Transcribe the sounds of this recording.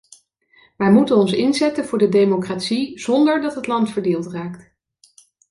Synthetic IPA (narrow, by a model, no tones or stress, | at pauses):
ʋɛjmutənɔnsɪnzɛtənvʊːɹdədejmokraːtsiz̥ɔndəɹdɑtɦətlɑntfəɹdeːlˠtraːkt